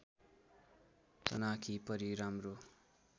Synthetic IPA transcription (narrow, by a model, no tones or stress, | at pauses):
tʌ̰nakʰipʌɾiɾamro